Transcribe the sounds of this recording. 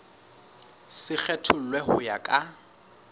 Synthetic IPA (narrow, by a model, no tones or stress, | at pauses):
sɪk͡xʰɛtʰʊl̩lwɛɦʊjakʼa